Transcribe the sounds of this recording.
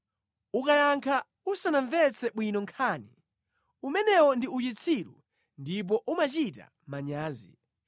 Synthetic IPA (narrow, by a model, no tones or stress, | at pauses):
ukajaŋkʰa | usanaɱvɛt͡sʰɛɓwinɔŋkʰaːni | umɛnɛwɔndiut͡ʃit͡sʰiɾṵ | ndip̬ɔʔumat͡ʃita̰ | maɲaːzḭ